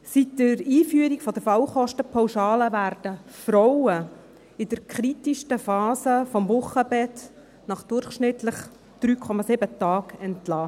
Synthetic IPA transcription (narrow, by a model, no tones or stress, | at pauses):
sitːəɾiːfyəɾikfɔd̥̪əɾfɑwχɔʃtəpʰɔwʃɑːləʋæːɾdəfɾɔwə | ɪd̥əɾkχɾitiʃtəfɑːsəfɔmvʊχːəbɛt | nɑχd̥ʊrχʃnɪtləχ | d̪̥ɾyːkʰɔmɑsɪbətɑːkɛntlɑː